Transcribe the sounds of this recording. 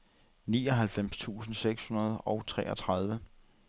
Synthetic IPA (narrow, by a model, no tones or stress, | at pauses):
niːɒ̽ɦælfem̰st͡sʰṵːsn̩seɡ̥shunɐð̞ˠɒʊt͡sʰʁɛ̰ːɒ̽t͡sʰʁɑ̈ð̞ˠʋə